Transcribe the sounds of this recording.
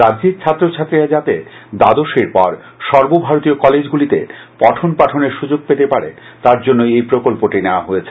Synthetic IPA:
ɾad͡ʑd͡ʑiɾt͡ɕʰat̪ːɾot͡ɕʰat̪ːɾiɾad͡ʑat̪ed̪ad̪oʃeɾpɔɾ | ʃɔɾbobʱaɾot̪iokɔled͡ʑɡulit̪ḛpɔʈʰonpaʈʰoneɾʃud͡ʑoɡ̚pet̪epaɾḛ | t̪aɾd͡ʑonːoejpɾokolpoʈineoaɦojet͡ɕʰe

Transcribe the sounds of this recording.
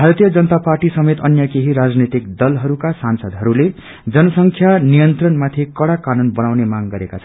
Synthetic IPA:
bʱaɾʌt̪ijʌd͡zʌnʌt̪aparʈisʌmet̪ʌnjʌkeɦiɾad͡znet̪ikd̪ʌlɦʌɾukasansʌd̪ɦʌɾule | d͡zʌnʌsʌŋkʰjanijʌnt̪rʌnmat̪ʰikʌɽakanunbʌnawnemaŋɡʌɾekat͡sʰʌn

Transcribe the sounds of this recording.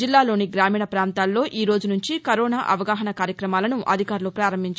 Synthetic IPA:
d͡ʒilːaːlo̞ːniɡɾaːmiːɳɐpɾaːnt̪aːlːo̞ːʔiːɾoːd͡ʒunuɲt͡ʃikɐɾoːnaːʔɐ̰ʋɐɡaːɦɐnɐkaːɾjɐkɾɐmaːlɐnuʔɐ̰d̪ʱikaːɾulupɾaːɾɐmbʱiɲt͡ʃ

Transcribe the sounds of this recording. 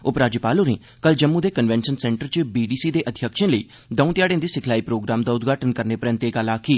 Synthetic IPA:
ʊpɾaːd͡ʒipaːloːɾẽː | kəld͡ʒəmːũːd̪eːkənʋɛ̃ːnʃənsɛ̃ːɳʈəɾt͡ʃbiːɖiːsiːd̪eːʔəd̪ʱjəkʃə̃ːləiː | d̪əũːt̪ɪjaːɽẽːd̪iːsɪkʰlaːiːpɾoːɡɾaːmd̪aːʊd̪ɡʱaːʈənkəɾneːpɾɛ̃nt̪eːɡəlaːkʰiː

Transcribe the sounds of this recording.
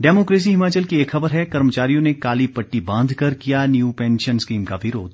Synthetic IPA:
ɖɛːmoːkɾeːs̬iɦɪmaːt͡ʃəlkieːkxɐbəɾɦɛkɐɾmət͡ʃaːɾijõnekaːlipɐʈːibãːnd̪ʱkɐɾkijanjuːpɛ̃ːnʃənskiːmkaʋɪɾoːd̪̚

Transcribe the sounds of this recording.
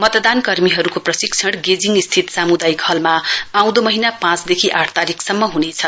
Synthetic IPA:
mʌt̪d̪ankʌrmiɦʌɾukoprʌsikt͡sʰʌɽɡed͡ziŋist̪ʰit̪samud̪ajkɦʌlmaãw̃d̪omʌɦinapãt͡sd̪ekʰiʔaʈʰt̪aɾikʰsʌmːʌɦunet͡sʰʌ

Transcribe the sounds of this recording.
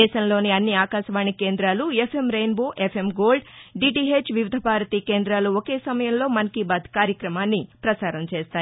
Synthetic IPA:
ɛːʃɐmlo̞ːniɐnːiaːkaːʃɐʋaːɳːikeːnd̪ɾaːluepʰemɾejnboːʔepʰe̞mɡo̞ːlɖɖiːʈiɦet͡ʃʋiʋid̪ʱɐpaːɾɐt̪iːkeːnd̪ɾaːluoke̞ːsɐmɐjɐmlo̞ːmɐnkibaːd̪ʱkaːɾjɐkɾɐmaːnːipɾɐsaːɾɐmt͡ʃeːst̪aː

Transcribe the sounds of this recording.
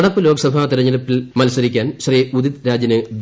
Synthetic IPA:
ɽɐpːɨlo̞ːɡɐsɐbʱaːt̪iɾɐɲːɐlɐpːilmɐlsɐɾikʲːaːnɕɐriud̪id̪ɾaːd͡ʑjɐnɨd̪

